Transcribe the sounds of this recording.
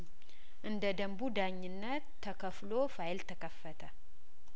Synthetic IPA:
ʔɨnd̪əd̪əmbud̪aɲːɪnːət̪ʰːəkʰəflofajlt̪ʰəkʰəfːət̪ʰə

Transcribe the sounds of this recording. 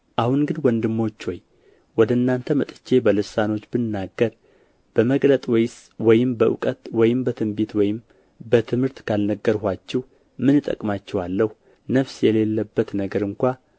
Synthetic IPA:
ʔahunɡɨnwɔnd̪ɨmːo̞t͡ʃːhoj | wɔd̪ənːant̪ʰəmət̪ʼɨ̥t͡ʃːe̞bəlɨsano̞t͡ʃːbɨnːaɡːəɾ | b̥əməɡlət̪ʼwɔjɪs | wɔjɪmbəʔṵkʼət̪wɔjɪmbət̪ʰɨmbet̪wɔjɪm | bət̪ʰɨmhɨɾt̪kʰalnəɡːəɾhat͡ʃːɛh | mɨnɨt̪ʼə̰kʼmat͡ʃːɛwalːəhu | nəfsjɛle̞lːəbːət̪nəɡəɾɨŋkʷa

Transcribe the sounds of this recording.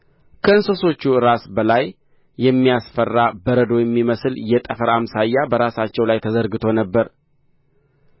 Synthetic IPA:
kʰəɨnsoso̞t͡ʃːuɾasbəlajː | ɛmːijasfərːabəɾəd̪ojɛmːiməsɨljɛt̪ʼəfəɾamsajːabəɾasat͡ʃːɛwlajt̪ʰəzəɾɡɨt̪ʰo̞nəbːəɾ

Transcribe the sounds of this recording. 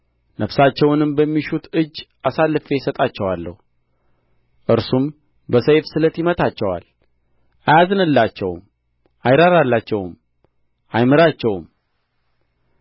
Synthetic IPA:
nʔəfsat͡ʃːɛwnɨmbəmːiʃut̪ɨd͡ʒːʔasalːɨfe̞sət̪ʼat͡ʃːɛwalːə̰hu | ʔɨɾsum | bəsəjfsɨlət̪jimət̪ʰat͡ʃːɛwa̰l | ʔajazɨnɨlːat͡ʃːɛ̰wm | ʔajɾaɾalːat͡ʃːɛwɨ̰m | ʔajmɨɾat͡ʃːɛwm

